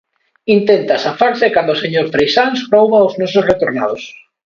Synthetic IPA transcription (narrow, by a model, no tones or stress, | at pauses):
int̪ent̪asafaɾsɪkand̪oseɲoɾfɾejsanspɾowβaoznɔsʊsret̪oɾna̰ð̞os